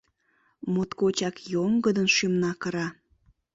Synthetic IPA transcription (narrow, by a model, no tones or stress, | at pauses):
mot̪kot͡ɕɑkjomɡəd̪ənʃymnɑkəɾɑ